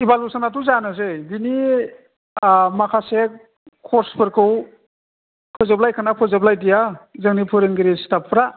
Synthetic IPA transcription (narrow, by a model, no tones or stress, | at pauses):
ibalusanatuzanɯzebini | makʰase | kʰɔspʰɯɾkʰɯw | kʰɯzablajkʰanapʰɯzablajdijazɯŋnipʰuɾɯŋɡiɾistapʰːɾa